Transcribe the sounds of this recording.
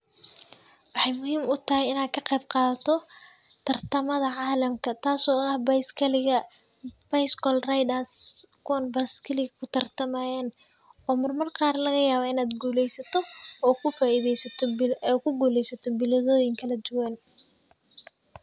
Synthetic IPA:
wɑħɑjmʊɦiːmʊt̪ʰɐɦɛjɪnaːkʰɐqɛjbqɑːðt̪ʰɔ | t̪ʰɐrt̪ʰɐmɐðɐʕɑːlɐmkʰɐt̪ʰaːsɔːɐhbɐjskʰɐlɪɣɐ | b̥ɐjskʰɔlrajd̪askʰːnbɐskʰɐlɪɣɐkʰʊt̪ʰɐrt̪ʰɐmaːjɛːn | ɔːmɐrmɐrqɑːrlɐɣɐjaːβɔɪnaːd̪ɡuːlɛjsɐt̪ʰɔɔːkʰʊfaːɪðɛjsɐt̪ʰɔɛːkʰʊɡuːlɛjsɐt̪ʰɔbɪlɐðɔːjɪŋkʰɐlɐd̪ʊwan

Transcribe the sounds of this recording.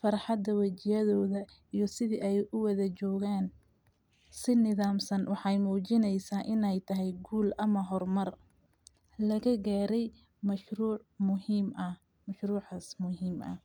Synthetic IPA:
fɐrħɑd̪ːɐwɐt͡ʃɪjɐðɔːðɐ | ijɞsɪðiʔɛjʔʊwɐðɐt͡ʃɔːɣaːn | sɪnɪðaːmsɐnwɑħɑjmuːt͡ʃɪnɛjsaːʔɪnɛjt̪ʰɐɦɛjɡuːlɐmɐɦɔrmɐr | lɐɣɐɡaːɾɛj | mɐʃruːʕmʊhiːmɐ | mɐʃruːʕasmʊɦiːmʔɐ̰

